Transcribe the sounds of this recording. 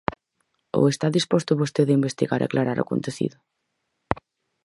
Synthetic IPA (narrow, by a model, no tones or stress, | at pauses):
o̰est̪aðispɔst̪ʊβost̪eðaimbest̪iɣaɾa̰klaɾaɾo̰ko̰nt̪eθḭðʊ